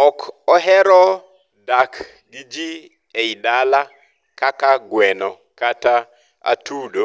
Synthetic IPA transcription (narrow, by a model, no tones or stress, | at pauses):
ɔkɔɦɛɾɔ | dak | did͡ʒi | eidala | kakaɡwɛnɔ | kata | a̰tʰuɗo